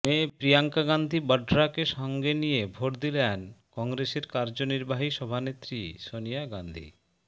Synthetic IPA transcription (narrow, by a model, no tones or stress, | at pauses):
mepɾijaŋkaɡand̪ʱibəɖɾakeʃɔŋɡenijebʱoʈd̪ilenkɔŋɾeseɾkaɾd͡ʑoniɾbaɦiʃɔbʱanet̪ːɾiʃonijaɡand̪ʱḭ